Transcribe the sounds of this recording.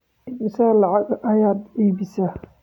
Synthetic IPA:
mɪsalɑʕɑɡɐjaːd̪iːbɪsa

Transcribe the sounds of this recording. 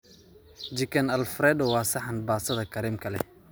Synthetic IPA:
d͡ʒɪkʰɐnɐlfɾɛːd̪ɔwɑːsɐħɑnbaːsɐðɐkʰɐɾiːmkʰɐlɛ̰

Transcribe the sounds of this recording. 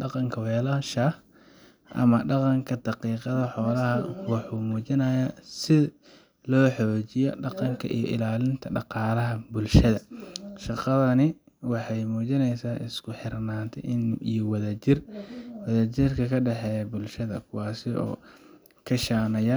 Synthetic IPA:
ɖɑqɑŋkʰɐwɛːlɐɦʃaːh | ʔɐ̰mɐɖɑqɑŋkʰɐd̪̥ɑqiːqɑðɐħɔːlɐɦɐwɑħuːmuːt͡ʃɪnɐːjasɪ | lɔːħɔːt͡ʃɪjɔ̰ɖɑqɑŋkʰɐ̰ʔḭjɔ̰ʔɪ̰laːlɪnt̪ʰɐɖɑqɑːlɐɦɐbʊlʃɐðɐʃɑqɑðɐnɪ | wɑħɑjmuːt͡ʃɪnɛjsaːʔɪ̰skʰʊħɪrnaːnt̪ʰɛ̰ɪnijɔwɐðɐt͡ʃɪrwɐðɐt͡ʃɪrkʰɐkʰɐɖɛħɛːjɐbʊlʃɐðɐ̰kʰʊwɑːsɪɔ̰ː | kʰɐʃaːnɐjɐ

